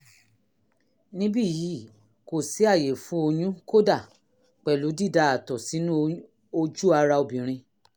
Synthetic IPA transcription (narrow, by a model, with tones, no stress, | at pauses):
nĩ˦bi˦˨ji˨˦ | ko˨si˨˦a˦˨je˨fũ˨˦o˧ɲũ˦ko˦da˦˨ | k͡pɛ˨lu˨˦di˦˨da˧˦a˨tɔ˨si˨˦nũ˦ | o˧d͡ʒu˦a˧ɾa˧o˨bĩ˨ɾ̃ĩ˧